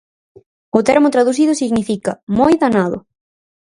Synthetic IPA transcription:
ʊt̪eɾmʊt̪ɾaðuθ̬ið̞ʊsiɣnifikɐ̰mojðanaðʊ̰

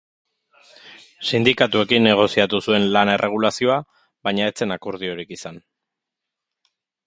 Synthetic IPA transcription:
sind̪ikat̪ue̞kinːe̞ɣ̞o̞siat̪usue̞nlane̞rʔe̞ɣ̞ulasio̞a | βajɲae̞t͡se̞nakoɾð̞io̞ɾikisan

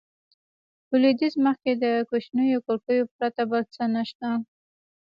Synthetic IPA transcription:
bəlid̪izməxked̪əkoʃnəjokoɾkəjopɾat̪abəlt͡sənaʃt̪a

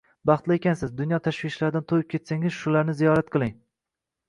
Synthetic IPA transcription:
bɑχt̪lɪekʲansɪzd̪ʊnjɒt̪ʰaʃwɪʃlaɾd̪ant̪ʰojɪp̚kʲʰe̞t̪saŋɪzʃʊlaɾnɪzijɒɾat̪̚qʰɨlˠɪŋ

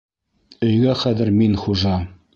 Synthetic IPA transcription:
ɵ̆jɡæχæðɘ̆ɾminχuʒɑ

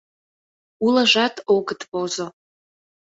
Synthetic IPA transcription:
uləʒɑt̪oɡət̪pozo

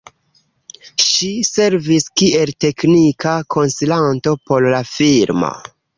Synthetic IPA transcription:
ʃise̞ɾviskiʔe̞lte̞knikakʰo̞nsilanto̞po̞llafiɾmo̰

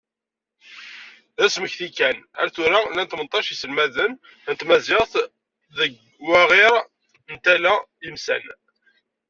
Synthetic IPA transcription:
ðæsməçθikːænæ̰ɾθuɾalænt̪mənt̪ˤːɑʃisəlmæðən | nt̪mæzɪʁθ | ðəɡ | wæʁɪɾ | nt̪ælæ | imsæ̰n

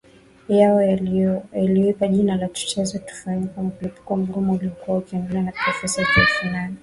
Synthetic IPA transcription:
jaɔ | jaliɔipaʄinalatu̥t͡ʃɛzɔtu̥faɲikam̩kulipu̥kɔm̩ɡumuuliɔkuwaukiandɛlɛwanapɾɔfɛsajatuɛfanana

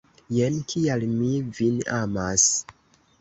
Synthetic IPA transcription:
jenkʰialmivinamas

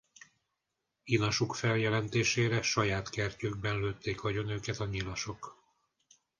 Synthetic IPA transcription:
inɒʃukfɛljɛlɛnt̪eːʃeːɾɛʃɒjaːt̪kɛrcøːɡ̚bɛnløːt̪ːeːkhɒɟo̞nøːkɛt̪ɒɲilɒʃo̞k

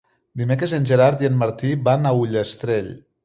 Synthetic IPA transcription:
d̪imekɾezenʲʒeɾaɾd̪ienmaɾt̪iβanauʎest̪ɾeʎ

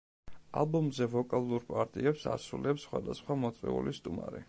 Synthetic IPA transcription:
a̰lˠbɔmzɛvɔkʼalˠuɾpʼaɾt̪ʼiɛpsa̰sulɛpsːχwad̪asχwamɔt̪sʼɛ̰ṵlist̪ʼumaɾḭ

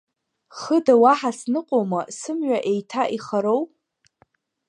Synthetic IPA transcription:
χədawaħasnɨqʷʼowmasɨmɥaʔejtʰaʔiχaɾow

